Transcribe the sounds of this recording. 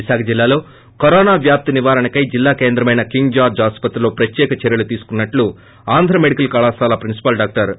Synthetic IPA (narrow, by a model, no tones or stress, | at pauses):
isaːkʰɐd͡ʒilːaːlo̞ː | kɐɾɔːnaːʋjaːp̚t̪iniʋaːɾɐɳɐkɐjd͡ʒilːaːke̞ːnd̪ɾɐmɐjnɐkiŋɡd͡ʒaːd͡ʒaːspɐt̪ɾulo̞ːpɾɐt̪jɛːkɐt͡ʃɛɾjɐlut̪iːsu̥kunːɐʈlu | aːnd̪ʱɾɐmeɽikɐlkɐːɭaːsaːlɐpɾinsi̥pɐlɖaːk̚ʈɐɾ